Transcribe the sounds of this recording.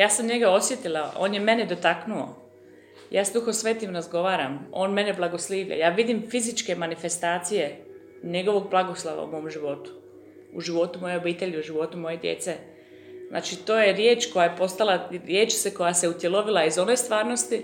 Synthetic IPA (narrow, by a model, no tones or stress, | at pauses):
jaːsamɲe̞ɡao̞sje̞t̪ilao̞̰ːnjeme̞ne̞d̪ot̪aknuo̞̰ | jaːsd̪uxo̞sʋeːt̪imɾazɡo̞ʋaːɾamo̞̰ːnme̞neblˠaɡo̞sliːʋʎa̰jaːʋid̪imfizit͡ʃke̞manife̞st̪aːt̪sije̞ | ɲe̞ɡo̞ʋo̞ɡ̚blˠaɡoslˠo̰ʋa̰ṵmo̞omʒiʋo̞t̪u̥ | uʒiʋo̞t̪umo̞je̞obiːt̪e̞ʎiuʒiʋo̞t̪umo̞je̞d̪jḛt̪se | zna̰ːt͡ʃit̪o̞ːjeɾjeːt͡ʃko̞jajepo̞st̪alaɾjeːt͡ʃseko̞jase̞ut̪jelˠo̞ʋilˠaizo̞ne̞jst̪ʋaːɾno̞st̪i